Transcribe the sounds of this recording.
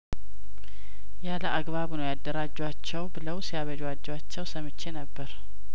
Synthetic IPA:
jaləaɡβaβunəwjad̪ːəɾad͡ʒːwat͡ʃːɛwbɨləwsijaβəd͡ʒwad͡ʒːwat͡ʃːɛwsəmɨt͡ʃːenəbːəɾ

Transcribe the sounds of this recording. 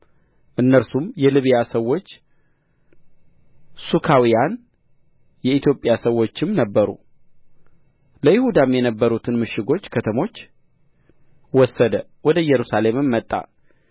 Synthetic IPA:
ʔɨnːəɾsumjɛlɨβjasəwːo̞t͡ʃː | sukʰawijan | jɛit̪jo̞pʼːjasəwːo̞t͡ʃːɪmnəbːəɾṵ | ləjɪhud̪amjɛnəbːəɾut̪ʰɨnmɨʃːɪɡo̞t͡ʃːkʰət̪ʰəmo̞t͡ʃː | wɔsːəd̪ə | wɔd̪əjɛɾusale̞mɨmːət̪ʼːa̰

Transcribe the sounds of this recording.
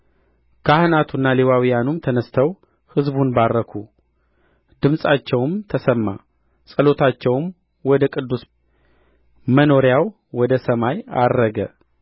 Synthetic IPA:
kʰahnat̪ʰunːalewawijanumt̪ʰənəst̪ʰəw | hɨzbunbaɾːəkʰu | d̪ɨmsʼat͡ʃːɛwmt̪ʰəsəmːa | sʼəlo̞t̪ʰat͡ʃːɛwm | wɔd̪əkʼɨd̪ːus | məno̞ɾjaw | wɔd̪əsəmaja̰ːəɡə̰

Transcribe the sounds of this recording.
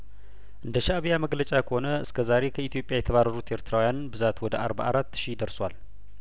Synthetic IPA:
ʔɨnd̪əʃaaβijaməɡlət͡ʃʼakʰəho̞nəɨskʰəzaɾe̞kʰəit̪ʰijo̞pʼjajɛt̪ʰəβaɾːəɾut̪ʔe̞ɾt̪ʰɾawijanbɨzat̪wɔd̪əʔa̰ɾba̰ʔaɾat̪ːʃid̪əɾswal

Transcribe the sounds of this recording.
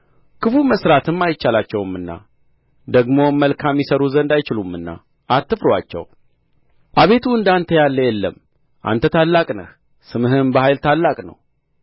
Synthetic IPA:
kʰɨfuməsɾat̪ɨmːajt͡ʃːalat͡ʃːɛwɨmɨnːa̰ | d̪əɡmo̞mːəlkʰamjɪsəɾuzənd̪ajt͡ʃɪlumːɨnːa̰ | ʔat̪ːɨfɾwat͡ʃːɛ̰w | ʔaβe̞t̪ʰuɨnd̪ant̪ʰəjalːəjɛlːə̰m | ʔa̰nt̪ʰət̪ʰalːakʼnə̰h | sɨmɨɦɨmbəhajlt̪ʰalːakʼnə̰w

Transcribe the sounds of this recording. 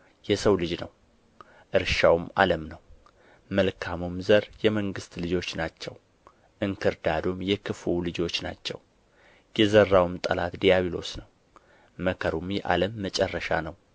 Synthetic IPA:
jɛsəwlɨd͡ʒnəw | ʔɨɾʃawma̰ləmnəw | məlkʰamumzəɾjɛməŋɡɨst̪lɨd͡ʒo̞t͡ʃːnat͡ʃːɛw | ʔɨŋkʰɨɾd̪ad̪omjɛkʰɨfulɨd͡ʒo̞t͡ʃːna̰t͡ʃːɛw | jɛzərːawmt̪ʼəlat̪d̪ijaβilo̞̰snəw | məkʰəɾumjɛʔa̰ləmːət͡ʃʼɛrːəʃanəw

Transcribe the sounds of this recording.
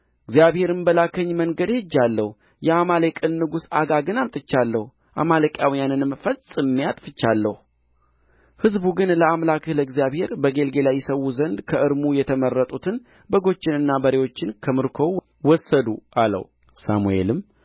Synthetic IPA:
ɨɡzjaβhe̞ɾɨmbəlakʰəɲːməŋɡəd̪hɨd͡ʒːalːəhu | jɛamalekʼɨnːɨɡusaɡaɡɨnamt̪ʼɨt͡ʃːalːəhu | ʔamalekʼjawijanɨnɨmfəsʼɨmːijat̪ʼfɨt͡ʃːalːəhu | hɨzbuɡɨnləamlakləɡzijaβhe̞ɾbəɡe̞lɡe̞lajːɛsəwuzənd̪kʰəʔɨɾmujɛt̪ʰəmərːət̪ʼut̪ʰɨn | bəɡo̞t͡ʃːɪnɨnːabəɾewo̞t͡ʃːɪnkʰəmɨɾkʰo̞ | wɔsːəd̪uʔalə̰hw | sa̰mue̞̰lɨm

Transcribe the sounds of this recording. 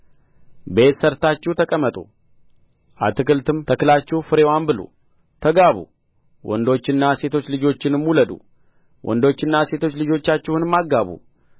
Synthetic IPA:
be̞t̪səɾt̪at͡ʃːɛwt̪ʰəkʼəmːət̪ʼṵ | ʔat̪ɨkɨlt̪ɨmt̪ʰəkɨlat͡ʃːɛhfɨɾe̞wambɨlṵ | t̪ʰəɡaβṵ | wʔɔ̰nd̪o̞t͡ʃːɪnːase̞t̪ʰo̞t͡ʃːlɨd͡ʒo̞t͡ʃːɪnɨmuləd̪ṵ | wʔɔ̰nd̪o̞t͡ʃːɪnːase̞t̪ʰo̞t͡ʃːlɨd͡ʒo̞t͡ʃːat͡ʃːɛhunɨmːaɡːaβṵ

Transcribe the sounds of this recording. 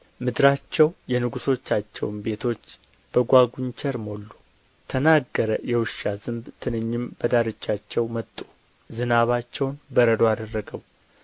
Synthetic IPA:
mɨd̪ɾat͡ʃːɛwjɛnɨɡuso̞t͡ʃːat͡ʃːɛ̰wnbe̞t̪ʰo̞t͡ʃː | b̥əɡʷaɡʷuɲt͡ʃʰɛɾmo̞lːu | t̪ʰənaɡːəɾəjɛwɨʃːazɨnbt̪ʰɨnɨɲːɪmbəd̪aɾɨt͡ʃːat͡ʃːɛwmət̪ʼːu̥ | zɨnaβat͡ʃːɛwnbəɾəd̪o̞ad̪ərːəɡəw

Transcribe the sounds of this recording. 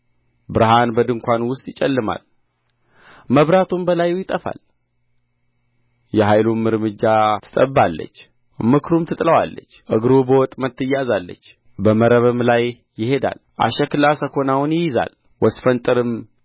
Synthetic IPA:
bɨɾɨɦanbəd̪ɨŋkʷanwʊst̪ʼjɪt͡ʃʼɛlːɨma̰l | məβɾat̪ʰumbəlajujɪt̪ʼəfa̰l | jɛɦajlumɨɾmɨd͡ʒːat̪ʰɨ̥t̪ʼəbːalːə̰t͡ʃː | mɨkʰɾumt̪ʰɨt̪ʼləwa̰lːə̰t͡ʃːʔɨɡɾubəwɔt̪ʼmət̪ːɨjazalːə̰t͡ʃː | bəməɾəβɨmlajː | ɪhe̞d̪a̰lʔa̰ʃɛkɨlasəkʰo̞nawnjɪjɪza̰l | wɔsfənt̪ʼɨɾɨm

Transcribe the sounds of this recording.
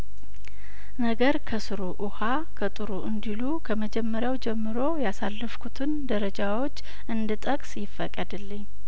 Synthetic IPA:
nəɡəɾkʰəsɨɾuʔʊha | kʰət̪ʼɨɾuʔɨnd̪ilukʰəməd͡ʒɛmːəɾjawd͡ʒɛmːɨɾo̞jasalːɨfkʰut̪ʰɨnd̪əɾəd͡ʒawo̞t͡ʃː | ʔɨnd̪ɨt̪ʼəkʼsjɪfːəkʼːəd̪ɨlːɨɲː

